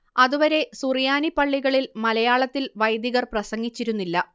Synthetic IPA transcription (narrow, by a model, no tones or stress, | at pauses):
ɐðuʋɐɾe̞surjaːnipɐɭːiɣɐɭilmɐlɐjaːɭɐt̪ːilʋɐjd̪jiɣɐrprɐsɐŋːit͡ɕːiɾunːilːɐ